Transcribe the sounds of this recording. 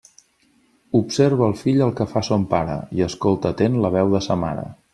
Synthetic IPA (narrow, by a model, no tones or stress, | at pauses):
upseɾβ̞əːlˠfiʎəlˠkəfasompaɾə̰iəskolˠt̪ət̪enləβ̞ɛwðəsəma̰ɾə̰